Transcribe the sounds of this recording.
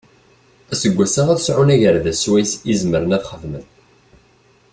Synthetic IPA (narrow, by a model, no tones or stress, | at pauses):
æsəɡʷːæsaʁæðsʕʊnæʝəɾðæswæjsizməɾənæðχəðmən